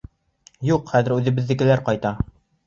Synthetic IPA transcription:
juqχæðɘ̆ɾʉðɘ̆bɘ̆ðːɘ̆kɘ̆læɾqɒjt̪ɑ

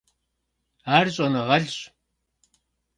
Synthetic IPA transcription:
aːrɕʼɐnɐʁɐɮɕʼ

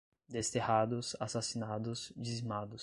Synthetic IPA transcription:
d̪est̪ehad̪ʊsasasinad̪ʊzd͡ʒizmad̪ʊs

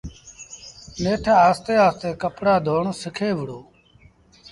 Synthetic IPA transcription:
neːʈʰaːaːst̪eːaːst̪eːkəpɽaːd̪ʱoːɳsɪkʰeːʋəɽoː

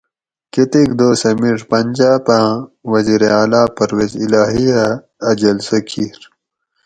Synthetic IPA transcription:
ket̪ikd̪oːsɐmiʐpɐnʲd͡ʑaːpãːwɐziːɾeaːlaːpɐɾweːzilaːɦijaː | d͡ʑɐlsɐkʰiːɾ

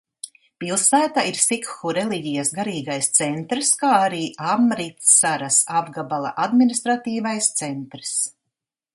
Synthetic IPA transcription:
pilˠsæːt̪aʔiɾsikxuɾɛliɟijasɡaɾiːɡajst̪sɛnt̪ɾskaːaɾiːʔamɾit̪sːaɾasabɡabalˠa̰ʔad̪minist̪ɾat̪iːvajst̪sɛnt̪ɾs

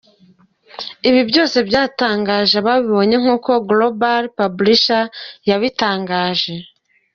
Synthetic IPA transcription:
iβibjo̞ːse̞bjaːtaːŋɡaːʒeβaβiβo̞ɲe̞ŋ̥uːko̞ɡlobalpabliʃajaβitaːŋɡaːʒe̞

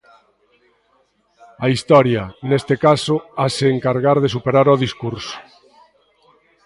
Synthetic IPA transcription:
ɐist̪ɔɾjɐnest̪ekasʊaseːŋkaɾɣaɾðesupeɾaɾɔðiskuɾsʊ̥

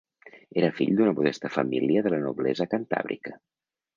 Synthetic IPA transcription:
eɾəfiʎd̪unəmuðɛst̪əfəmiliəðələnuβlɛzəkant̪a̰βɾḭkə

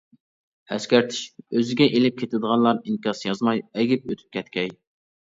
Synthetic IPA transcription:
ɛskʲæɾt̪ʰɪ̥ʃøzɪɡʲɛʔelɪp̚kʲʰet̪ʰɪd̪əʁɑnlˠɑɾiŋkʲɑsjɑzmɑjɛɡʲip̚øt̪ʰy̥p̚kʲʰɛt̪kʲʰɛj

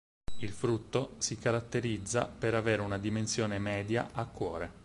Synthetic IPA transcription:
ilfɾut̪ːosikaɾat̪ːeɾid̪zːa̰peɾaveːɾeunad̪imensjoːnemɛːd̪ja̰ʔakːwɔːɾe

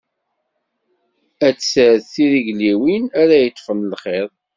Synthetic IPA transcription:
æt͡sːsəθθiɾiʝliwinæɾæjət̪ˤːfənəlχeɾˤ

